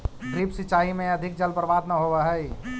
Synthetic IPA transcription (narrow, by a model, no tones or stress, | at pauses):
ɡɾipsɪt͡ʃaːimẽɐd̪ʱɪk̚d͡ʒəlpəɾʋaːd̪nəɦoʋəɦəj